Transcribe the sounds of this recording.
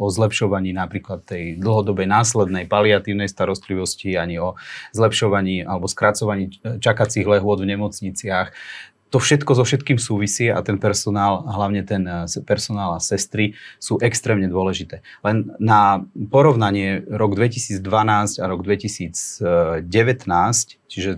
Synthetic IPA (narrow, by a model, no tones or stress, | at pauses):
ɔzlɛpʃɔʋaɲiːnapɾiːklat̪ːɛjd̪l̩ˠɦɔd̪ɔbɛjnaːslɛd̪nɛjpaliat̪iːʊnɛjst̪aɾɔst̪liʋɔsciaɲiɔzlɛpʃɔʋaɲiːʔalɛbɔskɾat͡sɔʋaɲiːt͡ʃakat͡siɣlɛɦʊɔd̪vɲɛmɔt͡sɲit͡sɪax | t̪ɔfʃɛt̪kɔzɔfʃɛt̪kiːmsuːʋisiːa̰t̪ɛnpɛɾsɔnaːlɦlaʊɲɛt̪ɛnspɛɾsɔnaːlasɛst̪ɾisuːʔɛkst̪ɾɛːmɲɛd̪ʊɔlɛʒit̪ɛː | lɛnːapɔɾɔʊnaɲɪɛɾɔɡd̪ʋɛcisiːd͡zd̪ʋanaːscaɾɔɡd̪ʋɛcisiːd͡zɟɛʋɛt̪naːsct͡ʃiʒɛ